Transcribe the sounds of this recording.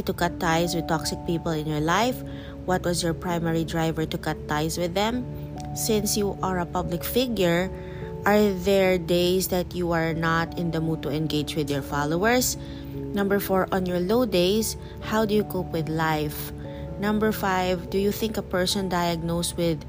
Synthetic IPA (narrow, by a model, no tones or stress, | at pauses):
t̪ʊkat̪ːajswɪd̪̚t̪ɔksɪk̚piːpɔlɪ̃njɔɹlaɪf | wʌt̪wʌzjɔɹpɹaɪmɛɹid̪ɹajvɛɹt̪ʊkat̪ːajswɪðɛ̃m | sɪ̃nsjuʔaɹɐpʌblɪkfɪɡjʊɹ | ʔaɹðɛɹd̪eɪsd̪ɐt̪juaɹnat̪ɪ̃nd̪ɐmud̪̚t̪ʊɛ̃nɡeɪd͡ʒwɪd̪jɛɹfalowɛɹs | nʌ̃mbɛɹfɔɹʔɔ̃njɔɹloʊd̪eɪs | hawd̪ʊjukoʊpwɪd̪laɪf | nʌ̃mbɛɹfaɪvd̪ujuθɪ̃ŋkɐpɛɹsɔ̃nd̪ajɐɡ̚noʊst̪̚wɪð